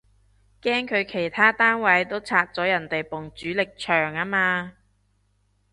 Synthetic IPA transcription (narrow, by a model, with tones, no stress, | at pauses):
kɛː˥ŋkʰɵ˨˧ɥkʰe˨˩jt̪ʰaː˥t̪aː˥nwɐ˨˥jt̪o˥wt͡sʰaː˧k̚t͡sɔː˨˥jɐ˨˩nt̪e˨jpʊ˨ŋt͡syː˨˥lɪ˨k̚t͡ʃʰœː˨˩ŋaː˥maː˧